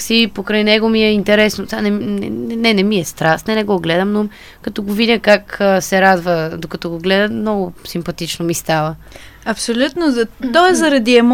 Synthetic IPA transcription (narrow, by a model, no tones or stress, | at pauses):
sipokɾajnɛɡomiɛint̪ɛɾɛsnot̪ʲanɛmɛɛnɛnɛmiɛst̪ɾasnɛnɛɡɔɡlɛd̪əmnom | kɐt̪ɔɡovid̪ʲəkakəsɛɾad̪vəd̪okɐt̪ɔɡoɡlɛd̪əmnɔɡʊsimpɐt̪it͡ʃnomist̪avə | ɐpsolʲut̪nozt̪ɔɛzɐɾɐd̪iɛm